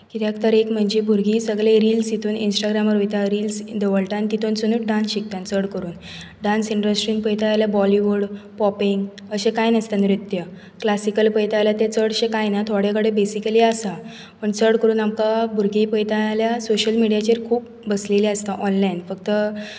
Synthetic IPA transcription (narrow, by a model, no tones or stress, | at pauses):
kit̪jakt̪əɾekm̤əɳd͡ʑebʱuɾɡiːsəɡleɾiːlsit̪ʰuːninsʈaɡɾaməɾɦojt̪aɾiːlsd̪eʋəɭʈant̪it̪ʰont͡sənuːʈ̚ɖãnsɕik̚t̪ant͡səɽkəɾuːn | ɖãnsiɳɖɾəsʈɾiŋpəjt̪ajaljabɔliʋuɾɽpɔpiŋɡ | əɕẽkajnəst̪aniɾut̪jə | klasikəlpəjt̪ajljat̪et͡səɽəɕẽkajnat̪ʰoɽekəɽebesikəliasa | pəɳt͡səɽkəɾuːnamkabʱuɾɡipəjt̪ajljasoɕəlmiɽijat͡ɕeɾkʰuːp̚ | bəsleliəst̪aʔɔnlainfəkt̪ə